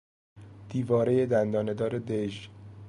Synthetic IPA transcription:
d̪̥iːvɒːɾe̞je̞d̪ænd̪ɒːne̞d̪ɒːɾed̪eʒ

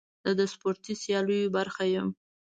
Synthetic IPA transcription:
d̪əd̪əspoɾt̪isjɑləjobaɾxajəm

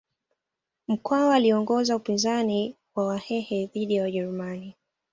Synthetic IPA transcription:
m̩kwawaːliɔŋɡɔzaupinzani | wawahɛhɛðiɗijawaʄɛɾumani

